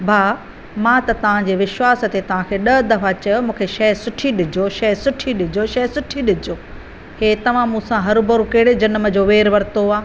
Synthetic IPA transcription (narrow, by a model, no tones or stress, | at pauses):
bʱaː | mãːt̪ɐt̪ɐʋ̤ãd͡ʑeːʋɪʃwaːsə̆t̪et̪ɐʋ̤ãkʰeːɗɐɦd̪ɐfat͡ɕɐjomũːkʰeʃɐɦsʊʈʰiɗɪd͡ʑoʃɐɦsʊʈʰiɗɪd͡ʑoʃɐɦsʊʈʰiɗɪd͡ʑoː | heːt̪ɐʋ̤ãmũːsãɦɐɾbɐɾukɐːɽed͡ʑɐnmə̆d͡ʑoːʋeːɾʋɐɾt̪oaː